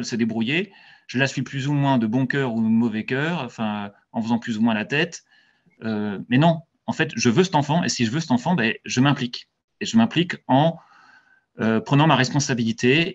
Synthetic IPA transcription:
ɛlsəd̪ebʁuje | ʒ̥əlasɥiplyzumwɛ̃d̪əbɔ̃kʲœʁud̪əmɔvɛkʲœːʁɑ̃fɛ̃ | ɑ̃fəzɑ̃plyzumwɛ̃lat̪ɛt̪ | ømɛnɔ̃ | ɑ̃fɛt̪ʒəvøsɛ̥t̪ɑ̃fɑ̃ḛsiʒəvøsə̥t̪ɑ̃fɑ̃bɛʒəmɛ̃plik | eʒəmɛ̃plikɑ̃ | øpχənɑ̃maʁɛspɔ̃sabilit̪e

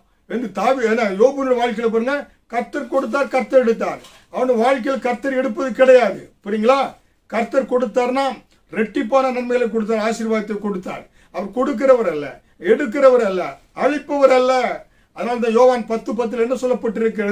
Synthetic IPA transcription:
ɛnd̪ɯt̪aːʋieːnːaːjoːbɐnʊɽɐʋaːɻk̬ɐɪlɐp̬aːɾɯŋɡɐ | kɐɾt̪ːɐɾkɔɽɯt̪̬ːaːɾkɐɾt̪ːɐɾɛɽɯt̪̬ːaːɾ | ɐʋɐnɐʋaːɻk̬ɐɪlkɐɾt̪ːɐɾɛɽɯpːɐðɯkɪɽɐjaːðɯpɯɾiːŋɡɐɭaː | kɐɾt̪ːɐɾkɔɽɯt̪ːaːɾnaː | ɾɛʈːɪpːaːnɐnɐnmɐɪɣɐɭek̬ɔɽɯt̪̬ːaːɾaːʃɪɾʋaːjɐt̪ːɐkɔɽɯt̪ːa̰ːɾ | ɐʋɐɾkɔɽɯk̬ːɪɾɐʋɐɾɐlːɐ̰ | ɛɽɯk̬ːɪɾɐʋɐɾɐlːɐ | ɐɻɪpːɐʋɐɾɐlːɐ | ɐðɐnaːlɐt̪̬ːãːjoːʋaːnpɐt̪ːɯpɐt̪̬ːɯlɛnːɐsɔlːɐpːɐʈːɪɾɯk̬ːɾɐ

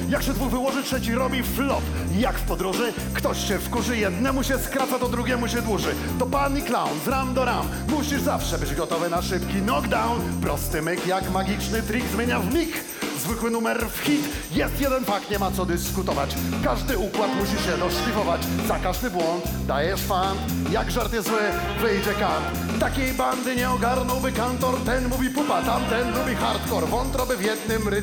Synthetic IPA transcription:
jakɕɛd̪vuɣvɘwɔʐɘtʂɛt͡ɕiɾɔbʲiflɔp | jakfpɔd̪ɾuʐɘ | kt̪ɔɕɕɛfkuʐɘjɛd̪nɛmuɕɛskɾat̪sat̪ɔd̪ɾuɡʲjɛmuɕɛd̪wuʐɘ | t̪ɔpaniklawnsɾamd̪ɔɾamːuɕiʐzafʂɛbɘd͡ʑɡɔt̪ɔvɛnaʂɘpkʲilɔɡd̪awnpɾɔst̪ɘmɘkjakmaɡʲit͡ʂnɘt̪ɾʲiɡzmʲjeɲavmʲik | zvɘkwɘnumɛɾfxʲit̪ | jɛst̪jɛd̪ɛnpakɲɛmat̪sɔd̪ɘskut̪ɔvat͡ɕkaʐd̪ɘukwat̪muɕiɕɛd̪ɔʂlʲivɔvat͡ɕzakaʐd̪ɘbwɔnt̪ | d̪ajɛʂfan | jaɡʐaɾt̪jɛzwɘ | vɘjd͡ʑɛkan | t̪akʲejband̪ɘɲɛɔɡaɾnɔwbɘkant̪ɔɾt̪ɛnmuvʲipupat̪amt̪ɛnmuvʲixaɾt̪kɔɾvɔnt̪ɾɔbɘvjɛd̪nɘmɾɪ

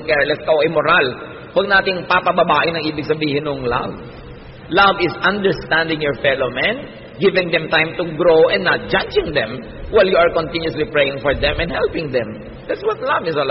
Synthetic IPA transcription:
kɛɹlɛskɐʔoʔɪmoɾal | wɐɡ̚naːt̪ɪŋpapɐbɐbaːʔɪnɐŋʔiːbɪɡ̚sɐbiːhɪnŋla̰v | lavɪsɐ̃nd̪ɛɹst̪ãnd̪ɪ̃ŋjɔɹfɛlomɛ̃n | ɡɪvɪ̃ŋd̪ɛmt̪ãjmt̪ʊɡɾowʔɛ̃nːat̪̚d͡ʒad͡ʒɪŋd̪ɛ̃m | wajljuɐɹkɔnt̪ɪ̃njʊslipɹɛjɪ̃ŋfɔɹd̪ɛ̃mɛ̃nhɛlpɪ̃ŋd̪ɛ̃m | d̪̥at̪swɐt̪̚lɐvɪsol

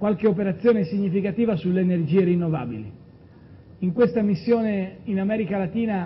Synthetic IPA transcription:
kwalkeopeɾat̪sːjoːnesiɲːifikat̪iːvasulːeːnerd͡ʒiːeɾinːova̰ːbḭlḭ | iŋkwest̪amisːjoːneinamɛːɾikalat̪iːna

